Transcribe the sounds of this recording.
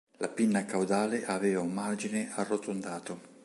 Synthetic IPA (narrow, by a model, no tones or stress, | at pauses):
lʔapinːakawd̪aːleʔavɛːvaumːard͡ʒinearːot̪ond̪aːt̪o